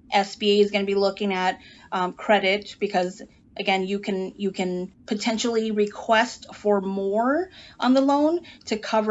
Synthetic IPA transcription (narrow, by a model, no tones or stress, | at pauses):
ʔɛsb̥ieɪɨzɡʌnɨbilʊkɪ̃ŋɨt̚kʰɹ̥ɛɾɪt̚b̥ɨkʰʌz | ʔɨɡɛ̃njɨkʰɨ̃njɨkʰɨ̃npʰɨtʰɛ̃nʃl̩ˠiɹɨkʰw̥ɛstfə˞mɔɹʔə̃nðəlõʊ̃ntʰɨkʰʌvə